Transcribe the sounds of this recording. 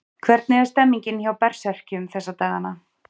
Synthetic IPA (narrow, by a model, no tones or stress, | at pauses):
kʰvɛɾt̪nɪɛɛst̪ɛmːiɲcɪnçawpɛr̥sɛr̥cɪmθɛsːat̪aːɣanːa